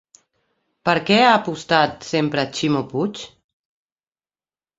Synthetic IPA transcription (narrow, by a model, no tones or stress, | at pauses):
pəɾkɛaːpust̪at̪sempɾət͡ʃimoput͡ʃ